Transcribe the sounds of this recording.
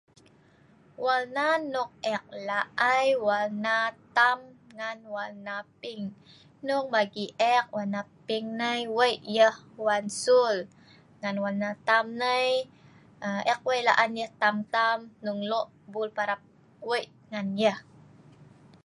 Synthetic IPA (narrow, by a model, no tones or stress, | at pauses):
walnanʊk̚ɛk̚laʔajwalnat̪amŋanwalnapiŋ | nʊŋ̚baɡiʔɛk̚wanapiŋnəjwəjʔjəhwansul | ŋanwalnat̪amnəj | əʔɛk̚wəjlaʔanjəht̪amt̪amnuŋlɔʔ | bulpaɾap̚ | wəjʔ | ŋanjəh